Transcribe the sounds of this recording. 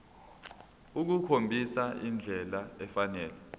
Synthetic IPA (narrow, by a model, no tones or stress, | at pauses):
uk̬ukʰombʱisaind͡ɮʱɛlaɛfanɛːlɛ